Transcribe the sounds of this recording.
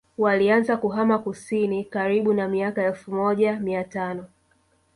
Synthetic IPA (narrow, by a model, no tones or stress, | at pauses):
walianzakuɦamakusinikaɾiɓunamiakaɛlfumɔʄamiatanɔ